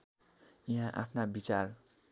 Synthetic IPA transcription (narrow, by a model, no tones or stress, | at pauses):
iɦãʔa̰pʰnabit͡sar